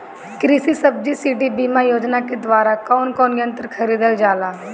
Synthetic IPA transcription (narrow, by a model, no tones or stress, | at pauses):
kɾiːsiːsəb̚d͡ʒiːsiːɖiːbiːmãːjoːd͡ʒnaːked̪ʋaːɾaːkɔːnkɔːnjə̃nt̪əɾkʰəɾiːd̪əld͡ʒaːlaː